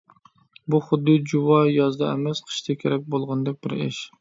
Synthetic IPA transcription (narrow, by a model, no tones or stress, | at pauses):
buχʊd̪ːɨd͡ʒuwɑjɑzd̪ɑɛ̰mɛsqʰə̥ʃt̪ʰɪkʲʰeɾɛk̚ʲbolˠʁɑnd̪ɨk̚ʲbɪɾɪ̰ʃ